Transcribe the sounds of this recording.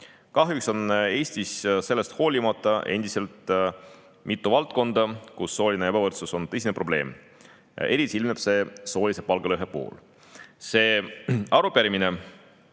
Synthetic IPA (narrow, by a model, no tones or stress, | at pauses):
kɑɦjukso̞ne̞ːsʲt̪isse̞lːest̪ho̞ːlʲimɑt̪ˑːɑʔe̞nd̪̥ise̞lt̪ˑ | mʔit̪ˑːuvɑlt̪̚ko̞nd̪̥ɑkusːo̞ːlʲineebɑvɤrt̪suso̞nt̪ɤs̬ʲinepro̞b̥le̞ːm | e̞ɾit̪ʲsiilmeb̥se̞so̞ːlʲise̞pɑlɡ̥ɑløɦepo̰ːl | se̞ːɑɾupeɾimine̞